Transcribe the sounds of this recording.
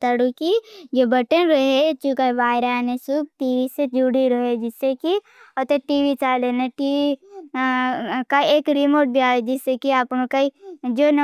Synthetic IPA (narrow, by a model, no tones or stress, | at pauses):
t̪əɽukijebəʈənɾəɦet͡ʃũkaʋaːɪɾanesub̚ʈiːʋised͡ʒuɽiɾəɦed͡ʒɪsːeki | ɔt̪eʈiːʋit͡ʃaːleneʈiːʋi | kaeːkɾimoːɾʈ̚bʱiaːed͡ʒɪsːekiaːpnõkaid͡ʒoːn